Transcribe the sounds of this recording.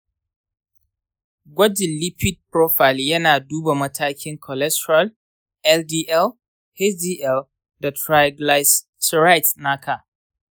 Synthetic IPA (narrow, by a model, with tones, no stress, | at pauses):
ɡʷɔ˦d͡ʒɪ˨li˦pi˦d̚pɾɔ˦fa˨ljɐ˦naː˨duː˦ba˨mɐ˦tʰaː˦kʲʰɪ˦ŋkʰɔ˨lɛ˦stɹa˦˨l | ʔɛ˦ldiː˦ʔɛ˦l | hɛ˦sdiː˦ʔɛ˦l | da˨tɾa˦jɡla˦s | sɹa˦jtna˦kʰa˨